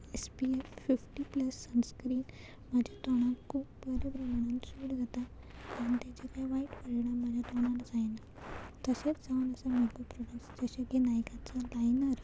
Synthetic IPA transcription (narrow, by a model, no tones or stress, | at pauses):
espieffifʈipləsːənskɾiːn | mad͡ʑʱjat̪oɽ̃ãkupəɾbɾəmɳãnsuɽd͡zat̪a | ant̪at͡ɕekajʋaiʈpəɾɽamad͡ʑʱjat̪ɔɽ̃ãnd͡zajna | t̪əset͡sd͡zaənəsamekopɾoɽəksd͡zəɕaɡenajkat͡salajnəɾ